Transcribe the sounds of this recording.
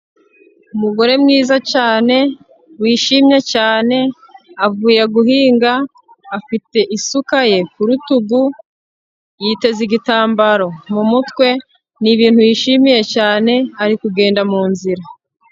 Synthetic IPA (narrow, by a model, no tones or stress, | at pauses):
umuɡo̞ɾe̞mŋiːzacaːne̞ | wiːʃimɲecaːne̞ | avuːjeɡuɦiːŋɡaː | fite̞ʔisukaje̞kuɾutuɡu | jiːte̞ziɡitaːmbaɾo̞mumutwe̞ | niβiːnhujiʃimije̞caːne̞aɾikuɡe̞ːndamuːnziɾa